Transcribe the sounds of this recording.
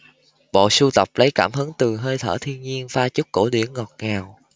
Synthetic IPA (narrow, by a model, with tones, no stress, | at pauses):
ɓo̰˧˨su˧t̪ə˨˩wk͡p̚lə˨˦jkaː˧˩mɦɨ˨˦ŋt̪ɨ˨˩ɦəː˧jt̪ʰə̰ː˧˩t̪ʰi˧ənɲi˧ənfaː˧t͡ɕu˦˥k͡p̚ko˧˩ɗi˧˩ənŋɔ˨˩t̚ŋaː˨˩w